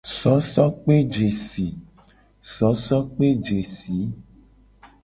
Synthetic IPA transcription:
sɔ˨˦sɔ˦k͡pe˦d͡ʒe˨si˨ | sɔ˨˦sɔ˦k͡pe˦d͡ʒe˨si˨˦

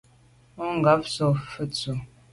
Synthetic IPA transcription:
ɔ˦ŋ˨ɡa˨˦p̚sɔ˨fə˦t͡su˨

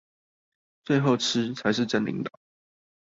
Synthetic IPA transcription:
t͡swe˥˧ɪxo˥˨ʊʈ͡ʂ̩ʰ˥t͡sʰa˨˧˥ɪʂɻ̩˥˧ʈ͡ʂə˥˨˩nlḭ˧˥ŋt̪ɑ˨˩˦

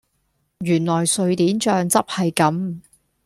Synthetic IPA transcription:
jyː˨˩nlɔː˨˩jsɵ˨˧ɥt̪iː˨˥nt͡ʃœː˧ŋt͡sɐ˥p̚hɐ˨jkɐ˨˥m

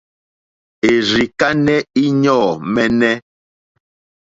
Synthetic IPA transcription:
e˨ɾi˨ka˦nɛ˦i˦ɲɔː˦˨mɛ˦nɛ˦

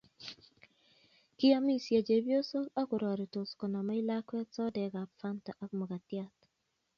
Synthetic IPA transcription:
ki˦a˦mi˦sja˨d͡ʒe˨bjo˦so˦a˦kʊ˨ɾɔ˨ɾɔ˨to˨skɔ˨na˨ma˦i˦la˦kwɛ˦t͡sɔ˦dɛ˨ɡa˨pfa˦nta˨ʔa˦kmɔ˨ɡa˨tja˦˨t

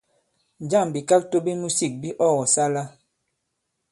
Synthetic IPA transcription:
n˨d͡ʒa˦˨m˨bi˨ka˦k̚to˦bi˦mu˦si˦˨k̚bi˦ʔɔ˦˨ɣɔ˨sa˦la˦

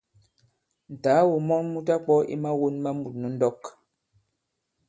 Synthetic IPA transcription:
n̩˨ta˨˦wu˨mɔ˦nmu˦ta˦k͡pɔ˦ʔḭ˦ma˦wo˦nma˦mu˨t̚nu˦n̩˦dɔ˦k

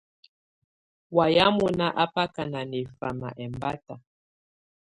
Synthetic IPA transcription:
wa˨ja˦mu˨na˦ʔa˦pa˦ka˨na˨ni˨fa̰˨ma̰˨ʔɛ˨mba˦ta˨

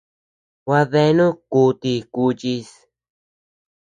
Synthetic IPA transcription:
wa˧ðe˧˦nũ˦ku˧t̪i˧ku˧t͡ʃi˧s

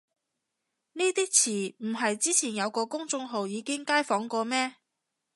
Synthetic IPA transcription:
niː˥t̪iː˥t͡sʰiː˨˩m̩˨˩ɦɐ˨jt͡siː˥t͡sʰiː˨˩njɐ˨˧wkɔː˧kʊ˥ŋt͡sʊ˧ŋɦo˨wjiː˨˧kɪ˥ŋkaː˥jfɔː˨˥ŋkɔː˧mɛː˥

